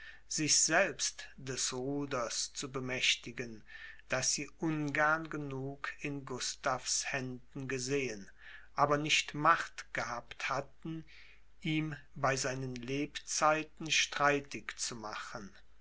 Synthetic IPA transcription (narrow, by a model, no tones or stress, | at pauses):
z̥ɪçz̥ɛlpstd̥ɛsʁuːdɐst͡subəmɛʃtɪɡənd̥asz̥iːʔʊnɡɛɐnɡənuːkʰɪnɡʊstafshɛndn̩ɡəzeːən | ʔaːbɐnɪçtmaχtɡ̥əhaːpthatn̩ | ʔiːmbaɪzaɪnənleːpt͡saɪtn̩ʃtʁ̥aɪtɪkt͡sumaχən